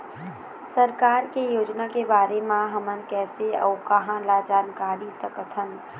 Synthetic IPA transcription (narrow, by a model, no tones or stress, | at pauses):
səɾkaːɾkejoːd͡ʒnakebaːɾemãɦəmənkɛːseɔ̰ːkɐɦãlad͡ʒaːnkaːɾisɐkət̪ɦən